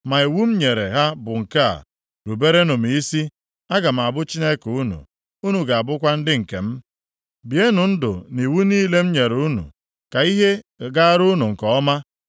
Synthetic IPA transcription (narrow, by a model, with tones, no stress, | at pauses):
ma˨i˨wu˦m̩˦ɲe˨ɾe˨ɦa˦bʊ˨ŋ̩˨ka̰˦˨ | ɾu˨be˦ɾe˦no˨m˨i˦si˦ | a˦ɡa˨m̩˨a˨bʊ˦t͡ʃi˦ne˦ku˦nṵ˨ | u˦nu˨ɡa˨a˨bʊ˦kʷa˦n̩˦dɪ˦ŋ̩˨ke˨m̩˦ | bi˨e˦nu˨n̩˦dʊ̰˨ni˨wu˦niː˦le˦m̩˦ɲe˨ɾu˦nṵ˨ | ka˨i˦ɦe˦ɡa˦ɾu˦nu˨ŋ̩˨kɔ˨ɔ˦ma˦